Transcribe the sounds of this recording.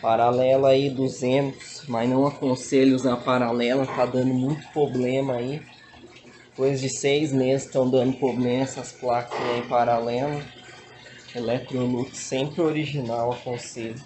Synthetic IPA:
paɾalɛlɐaid̪uzẽnt̪ʊ̥smɐznɐ̃w̃ɐkõseʎʊzɐpaɾalɛlɐt̪ad̪ɐ̃nd̪ʊmũj̃t̪ʊ̥pɾoblẽmɐai | d̪ɪpojzd͡ʒɪsejzmezɪst̪ɐ̃w̃d̪ɐ̃nd̪ʊpɾoblẽmɐɛsɐsplakɐzaipaɾalɛlɐ | elɛt̪ɾolukɪ̥sẽmpɾɪoɾiʒinawɐkõselʊ

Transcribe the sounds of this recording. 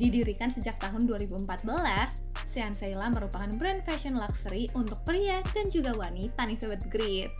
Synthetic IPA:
didiɾikansəd͡ʒak̚t̪aɦʊnduaɾibuəmpat̪̚bəlasː | iansailaməɾupakanbɾɛnfɛʃɔnlaksəɾiʔunt̪ʊk̚pɾiad̥and͡ʒuɡawanit̪anisəbət̪̚ɡɾit̪̚

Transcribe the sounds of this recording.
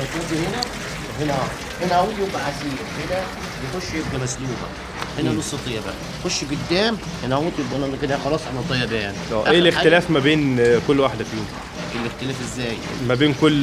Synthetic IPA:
æt̪æːt̪ihenæ | henææ | henæʔæwːd̪jombæʕasiː | henæ | jexoʃːjebɡæmæsluːbæ̰ʔ | henænosˤːɑt̪ˤejːæbæ̰ʔæ | xoʃːɡod̪ːæːm | henæʔæwd̪jobʔænænkenæxɑlɑːsˤʔanæt̪ˤɑjːæbæːnʔæːʔeːlexelæːfmæbeːnkolːwaħd̪æfjuːm | ʔelːext̪elæːfʔezːæːj | mæbeːnkolː

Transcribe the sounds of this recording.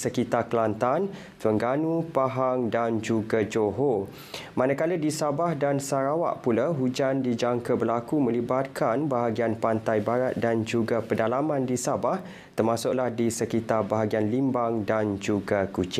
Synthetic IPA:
səkit̪akəlant̪an | t̪wəŋɡanũpaɦaŋdand͡ʒuɡad͡ʒoɦo | mãnakalədisabahdansaɾawa̰ʔpulaɦud͡ʒandid͡ʒaŋkəbərlakumə̃libat̪̚kʰanbaɦaɡianpant̪ajbaɾat̪̚dand͡ʒuɡapədalamãndisabah | t̪ərmasʊʔlahdisəkit̪arbaɦaɡianlimbaŋdand͡ʒuɡakut͡ʃɪ

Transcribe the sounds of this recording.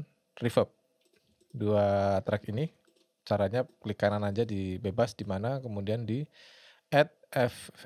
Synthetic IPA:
rifəp̚ | duat̪ɾakini | t͡ʃaɾaɲakəlikananaɲd͡ʒadibebasdimanakəmudiandi | ʔɛt̪̚ɛf

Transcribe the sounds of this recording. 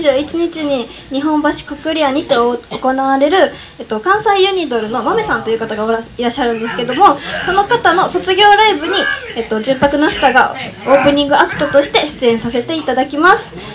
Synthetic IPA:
ʑɨːit͡ɕiɲ̟it͡ɕiɲ̟i | ɲ̟iɦõ̞mbaɕi̥kokɯ̟ɾʲiaɲ̟it̪e̞oko̞naβaɾe̞ɾɯ̟ | et̪ːo̞kãɰ̃saijɯ̟ɲ̟ʲid̪o̞ɾɯ̟no̞mame̞sãnt̪o̞iɯ̟kat̪aɡaiɾaɕːaɾɯ̟̃nd̪e̞sɨ̥ke̞d̪o̞mo̞so̞no̞kat̪ano̞so̞t͡sɨɡʲo̞ːɾaibɯ̟ɲ̟i | et̪ːo̞d͡ʑɨ̃mpakɯ̟nast̪aɡa | o̞ːpɯ̟ɲ̟ĩŋɡɯ̟akɯ̥t̪ot̪o̞ɕi̥t̪e̞ɕɨ̥t͡sɨẽ̞ɰ̃sase̞t̪e̞it̪ad̪akʲimasɨ̥

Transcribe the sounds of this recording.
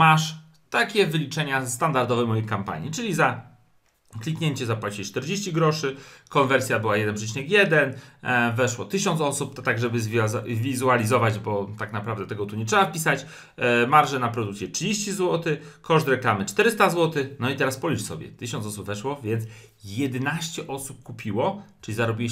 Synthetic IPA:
maʂ | t̪akʲɛvɘlʲit͡ʂɛɲast̪and̪aɾd̪ɔvɛmɔjejkampa̰ɲit͡ʂɘlʲiza | klʲikɲɛɲt͡ɕɛzapwat͡ɕit͡ʂt̪ɛɾd͡ʑeɕt͡ɕiɡɾɔʂɘkɔnvɛɾsʲjabɘwajɛd̪ɛnpʂɛt͡ɕinɛkjɛd̪ɛnvɛʂwɔt̪ɘɕɔnt̪sɔsup̚t̪aɡʐɛbɘzvʲvʲizualʲizɔvad͡ʑbɔt̪aknapɾavd̪ɛt̪ɛɡɔt̪uɲɛtʂɛbafpʲisat͡ɕ | maɾʐɛnapɾɔd̪uk̪t̪sʲjɛtʂɘd͡ʑeɕt͡ɕizwɔt̪ɘkɔʂt̪ɾɛklamɘt͡ʂt̪ɛɾɘst̪azwɔt̪ɘxnɔit̪ɛɾaspɔlʲiʂsɔbʲjɛ̰t̪ɘɕɔ̃nt̪ɔsubvɛʂwɔvʲjɛnt̪s | jɛd̪ɛnaɕt͡ɕɛʔɔsup̚kupʲiwɔt͡ʂɘlʲizaɾɔbʲi

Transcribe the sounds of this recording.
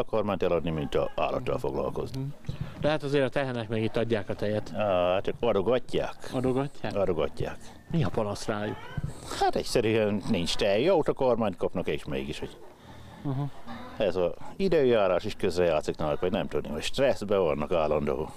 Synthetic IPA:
ɒkormaːɲt̪ɛlɒd̪nimint̪ɒ̰a̰ːlːɒ̰t̪ːɒ̰lfo̞̰ɡlɒ̰lko̞̰znid̪ɛɦat̪ɒzeːɾɒt̪ɛɦɛnɛkmɛɡit̪ːɒɟːaːkɒt̪ɛjɛt̪ːat̪t͡ʃɒkɒd̪o̞ɡɒcːa̰ːkɒd̪oɡɒcːaːɒd̪o̞ɡɒcːa̰ːk | miɒpɒnɒsraːjukhat̪ɛ̰csɛɾyɛnnint͡ʃt̪ɛjɒut̪okormaːɲt̪kɒpnɒkeːʃmḛːɡiʃho̞ɟ | ɦɛzɒid̪øːjaːɾaːʃiʃkøzrɛjaːt̪siknaːlkʋɒɟnɛmt̪ud̪nihocʃt̪rɛsbɛvɒnːɒkaːlːɒnd̪o̰ː

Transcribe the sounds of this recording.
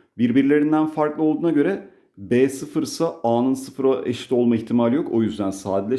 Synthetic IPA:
biɾbiɾlʲe̞ɾind̪ænfaɾklˠɯo̞lˠd̪uːnaɟø̞ɾɛ | bɛːsɯfɯɾsaaːnɯnsɯfɯɾaʔeʃt̪ʲːo̞lˠmaiçt̪ʰimalʲjo̞kʰojyzd̪ænsaːd̪ilʲɛ

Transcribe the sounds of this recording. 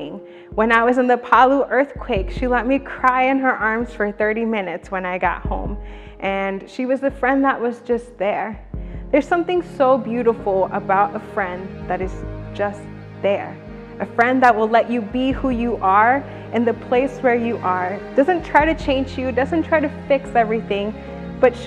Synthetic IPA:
ɪ̃ŋ | wɨ̃naɪwʌzɨ̃nðɨpʰɑlˠuʔɜ˞θkʰw̥eɪkʃilɛt̚mikʰɹ̥aɪɨ̃nə˞ʔɑɹmz̥fə˞θɜ˞ɾimɪ̃nɨtswə̃naɪɡɑ̰t̚hõ̰ʊ̃m | ʔɨ̃nʃiwʌzɨfɹɛ̃nðəʔ̚wʌzd͡ʒʌst̪̚ðə˞ðə˞z̥sʌ̃mθɪ̃ŋsoʊbjʉɾəfl̩ˠəbaʊɾəfɹɛ̃nðɨɾɨzd͡ʒʌs | ðə˞ | ʔɨfɹɛ̃nðət̚wəlɛt͡ʃɨbihujɨʔə˞ | ʔɨ̃nðɨpʰl̥eɪswə˞jɨʔə˞d̥ʌzɨ̃ntʰɹ̥aɪɾɨt͡ʃʰẽɪ̃nd͡ʒjɨdʌzɨ̃ntʰɹ̥aɪɾɨfɪksɛvɹiθɪ̃ŋ | b̥ʌt

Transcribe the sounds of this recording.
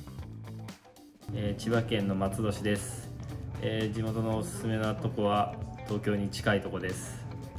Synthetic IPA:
eːt͡ɕiβakẽ̞nːo̞mat͡sɨd̪o̞ɕid̪e̞sɨ̥ed͡ʑimo̞t̪o̞no̞ːsɨ̥sɨme̞nat̪o̞ko̞βat̪o̞ːkʲo̞ːɲ̟it͡ɕi̥kait̪o̞ko̞d̪e̞sɨ̥

